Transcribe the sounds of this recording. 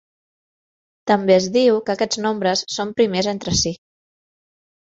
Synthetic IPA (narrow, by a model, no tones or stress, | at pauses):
t̪əmbeəzðiwkəkɛznombɾəsːompɾimezent̪ɾəsi